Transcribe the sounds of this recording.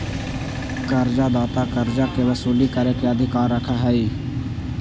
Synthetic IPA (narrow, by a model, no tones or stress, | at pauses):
kəɾd͡ʒaːd̪aːt̪aːkəɾd͡ʒaːkeʋəsuːliːkəɾeːkeəd̪ʱɪkaːɾːəkʰaɦɛːiː